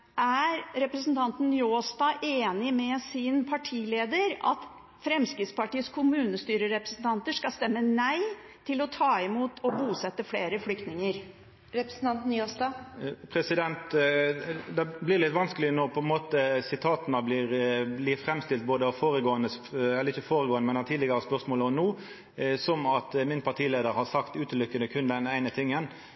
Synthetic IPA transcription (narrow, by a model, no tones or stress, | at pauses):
ʔæɾɾɛpɾəsn̩t̪ʰɑnt̪n̩joːst̪ɑʔeːnɪmɛsɪnpʰɑʈʰiːleːd̪əɾɑ̰t̪ | fɾɛmskɾɪt̪spɑʈiːəskʰʊmʉːnəst̪yːɾəɾɛpɾəsn̩t̪ʰɑnt̪əʂkɑst̪ɛmːənæɪ | t̪ʰɪlɔt̪ʰɑːɪmuːt̪ʰɔbuːsɛt̪ːəfleːɾəflʏk̚t̪nɪŋəɾ | ɾɛpɾsn̩t̪ɑnt̪n̩joːsd̪ɑpʰɾɛsɪd̪ɛnt̪ | d̪ɛblɪʁlɪt̪ʋɑnskəlɪnɔʁpʰɔɛnmoːt̪əsɪt̪ʰɑːt̪nəblɪːɾblɪfɾɛmst̪ɪlt̪̚boːd̪əfoːɾəɡoːənəsɛlːəɾɪçəfoːɾəɡoːənəmɛnæt̪ʰiːd̪lɪɡəɾəspœʁsmoːlɔnuː | sɔmɑt̪mɪnpʰɑʁʈ̪ʰiːleːd̪əɾhɑʁsɑkt̪ʉːt̪əlʏkːənəkʰʉnd̪ɛnæɪnət̪ʰɪŋːən